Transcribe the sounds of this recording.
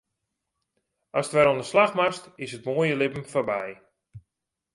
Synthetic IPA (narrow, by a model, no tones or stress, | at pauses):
ʔɑstʋɛɾondəslaxmastɪsətmoːjəlɪpəm̩fɔbɛj